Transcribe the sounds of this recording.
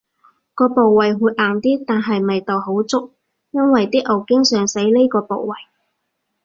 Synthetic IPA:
kɔː˧po˨wwɐ˨jwuː˨˧t̚ʔaː˨˩nt̪iː˥t̪aː˨nɦɐ˨jmɐ˨jt̪ɐ˨wɦo˨˥wt͡sʊ˥k̚ | jɐ˥nwɐ˨jt̪iː˥ʔɐ˨wkɪ˥ŋsœː˨ŋse˨˥jle˥kɔː˧po̰˨˩wːɐ˨j

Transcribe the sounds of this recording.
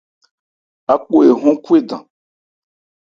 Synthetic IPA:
a˨˦k͡po˦e˨ɦɔ̃˦ku˦e˦dã̰˨

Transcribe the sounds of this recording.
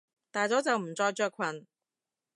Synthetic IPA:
t̪aː˨jt͡sɔː˨˥t͡sɐ˨wm̩˨˩t͡sɔː˧jt͡ʃœː˧kʷʰwɐ˨˩n

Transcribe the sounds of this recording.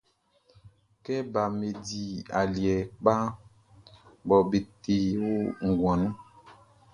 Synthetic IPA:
kɛ˦ba˨me˨di˨a˨li˨ɛ˨k͡pa˦ | bɔ˨be˨te˨wo˦ŋ̩˨ɡw̃ã˨nã˦

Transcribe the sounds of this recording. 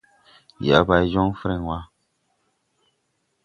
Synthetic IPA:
ja̰˨˦ba˨˦d͡ʒɔ˦ŋ˦fɨ˦ɾɛ˨ŋ˨wa˦

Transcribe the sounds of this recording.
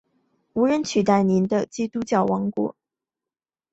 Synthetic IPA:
u˧˥ɻə˧˥nt͡ɕʰy˨˩t̪a˥˩ɪni˧˥nd̪ə˧t͡ɕi˥t̪u˥t͡ɕjɑ˥˩ʊwɑ˧˥ŋkwɔ̰˨˩˦

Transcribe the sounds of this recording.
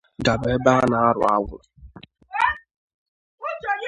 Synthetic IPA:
ɡa˨be˨˦ba˦na˨a˦ɾʊ̰˨a˦ŋʷʊ̰˨

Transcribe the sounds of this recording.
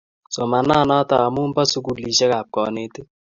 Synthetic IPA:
sɔ˨ma˨na˦˨na˦ta˨a˨mu˦m˦ba˦su˦ku˨li˨ʃɛ˦ka˨p̚kɔ˨ne˨te˦

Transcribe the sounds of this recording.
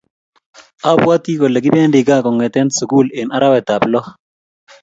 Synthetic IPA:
a˦bwa˦t̪i˦ko˨le˨ɡɪ˦bɛ˦ndɪ˨ɡa˦˨kɔ˨ŋwɛ˨t̪ɛ˦nsu˨ku˦˨lɪ˨na˦ɾa˦wɛ˨ta˨plɔ˦

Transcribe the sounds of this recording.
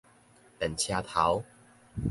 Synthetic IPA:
t̪ə˨˩nt͡ɕʰja˦˧t̪ʰa˨˦w

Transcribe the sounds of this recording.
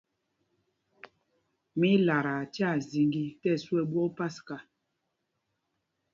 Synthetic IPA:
mi˦la˨ɾa˨tja˦˨zi˨ŋɡi˦tɛ˦˨swɛ˦bwɔ˦pa˦ska˨

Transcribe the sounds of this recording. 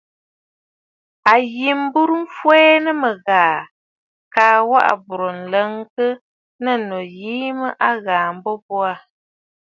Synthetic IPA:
a˨ji˨m˦bu˦ɾu˦m̩˦fwɛː˦nə˦mə˨ɣaː˨ | kaː˨wa̰˦ʔa̰˨bu˨ɾo˨n̩˨lə˦ŋkə˦ | nə˦˨nɔ˨jiː˦mə˦ʔa˦ɣaː˨m̩˨˦bɔ˦bwa˦˨

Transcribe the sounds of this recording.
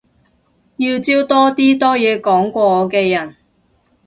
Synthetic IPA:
jiː˧wt͡siː˥wt̪ɔː˥t̪iː˥t̪ɔː˥jɛː˨˧kɔː˨˥ŋkʷɔː˧ɔː˨˧kɛː˧jɐ˨˩n

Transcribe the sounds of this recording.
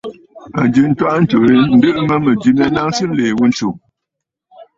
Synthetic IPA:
a˨d͡ʒɨ˨n̩˦twa˦ʔn̩˦t͡ʃo˨ɾi˦n̩˦dɨ˦ʔmə˦mə˨d͡ʒi˦mja˦na˦ŋ˦sɨ˦n̩˦le˨wu˦n̩˦t͡ʃu˨

